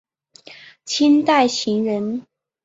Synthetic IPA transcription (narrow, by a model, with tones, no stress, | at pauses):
t͡ɕʰi˥nt̪a˥˩ɪɕi˧˥ŋɻə˧˦n